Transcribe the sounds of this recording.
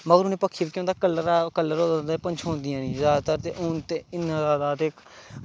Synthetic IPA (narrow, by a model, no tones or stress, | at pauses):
məɡəɾʊːneːpəkʰːiːbːkjõnd̪aːkəlːəɾkəlːəɾoːd̪ənd̪apənt͡ʃʰõːnd̪ijãːnĩːzjaːd̪aːt̪əɾt̪eʔʊnt̪eːɪnːãːzaːd̪aːt̪eːk